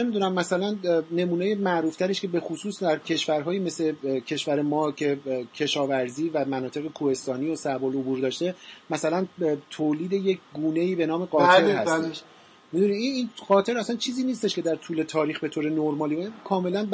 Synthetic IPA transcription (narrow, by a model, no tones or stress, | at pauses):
nemid̪uːnæmːæsælænne̞muːnejemæʔɾuːft̪ʰæɾeʃkʰe̞be̞xosuːsd̪æɾcʰe̞ʃvæɾɦɒːjiːmesle̞cʰe̞ʃvæɾe̞mɒːcʰe̞cʰe̞ʃɒːvæɾziːvæmænɒːt̪ʰe̞ɣekʰuhe̞st̪ɒːniːosæbolobuːɾd̪ɒːʃt̪e̞mæsælænt̪ʰoːliːd̪e̞je̞cʰɡuːne̞iːbe̞nɒːme̞ɢɒːt̪ʰe̞ɾhæseeʃ | mid̪unid̪iniːnɢ̥ɒːt̪ʰe̞ɾæsænt͡ʃʰiːziːniːst̪eʃcʰe̞d̪æɾt̪ʰuːle̞t̪ʰɒːɾiːxbe̞t̪ʰoːɾenoɾmɒːlivinkʰɒːme̞lænb